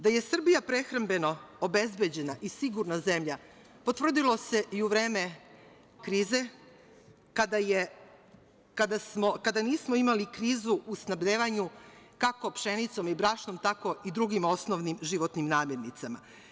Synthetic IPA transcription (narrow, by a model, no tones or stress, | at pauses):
d̪aje̞sr̩bijapɾe̞xɾambe̞no̞obe̞zbe̞d͡ʑe̞naʔisiɡuɾnaze̞mʎa | po̞t̪ʋr̩d̪ilˠo̞se̞ʔiuʋɾe̞ːme̞ | kɾiːze̞ | kad̪aje | kad̪asmokad̪aniːsmoimalikɾiːzuʔːsnabʎeːʋaɲukakopʃe̞nit̪so̞mibɾaːʃno̞mt̪ako̞id̪ɾuɡimo̞snoʋnimʒiʋot̪nimnaːmje̞ɾnit̪sama̰